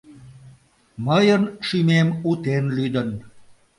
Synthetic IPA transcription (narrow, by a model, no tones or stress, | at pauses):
məjənʃymemut̪enlyd̪ən